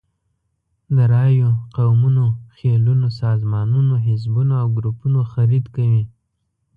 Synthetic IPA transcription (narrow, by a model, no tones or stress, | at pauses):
d̪əɾɑjoqawmunoxelunosɑzmɑnunoɦɪzbunoawɡɾupunoxaɾid̪kawi